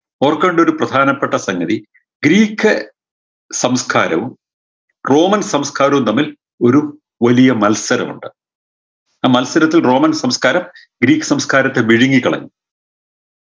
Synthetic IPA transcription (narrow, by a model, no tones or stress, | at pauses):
oːrkːeɳɖeoɾuprɐd̪ʱaːnɐpːeʈːɐsɐŋɡɐði | ɡɾiːkʰːɨ | sɐmskʰaːɾɐʋum | ro̞ːmɐnsɐmskʰaːɾɐʋumt̪ɐmːil | o̞ɾu | ʋɐlijɐmɐlsɐɾɐmṵɳɖɨ | aːmɐlsɐɾɐt̪ːilro̞ːmɐnsɐmskaːɾɐm | ɡɾiːkːɨ̥sɐmskaːɾɐt̪ːe̞biɻiŋːikːɐɭɐ̰ɲːu